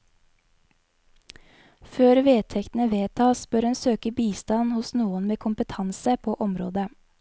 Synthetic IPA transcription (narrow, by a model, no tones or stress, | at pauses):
føːɾʋeːt̪ʰɛkt̪n̩əʋeːt̪ʰɑːsb̥œːɾɛnsøːkəbiːst̪ɑnhʊsnuːənmeːkʰʊmpət̪ʰɑnsəpʰoːʔɔmɾo̰ːd̪ə